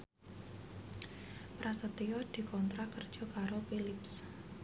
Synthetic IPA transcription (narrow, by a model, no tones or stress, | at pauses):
pɾast̪ət̪iɔd̪̥i̤kɔnt̪ɾakərd̥ʒ̥ɔ̤kaɾofilɪps